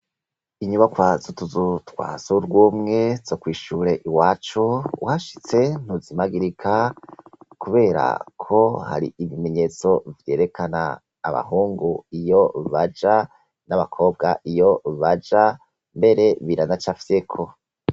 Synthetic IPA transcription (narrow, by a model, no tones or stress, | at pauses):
iɲuβakwazutuzutwa̰ːzuɾɡwumŋe̞z̥okwiːʃuɾe̞ʔiwaːt͡ʃuwʔaʃi̥t͡se̞n̥uzimaɡiɾikʰa | kuβe̞ːɾa̰kʰo̞ha̰ɾḭivime̞ɲe̞t͡so̞vje̞ːɾe̞kʰana̰ː | βa̰huːŋɡuijo̞βad͡ʒa | naβakʰo̞ːb̚ɡaʔijo̞βad͡ʒa | mbe̞ɾe̞βiɾanat͡ʃafise̞kʰo̞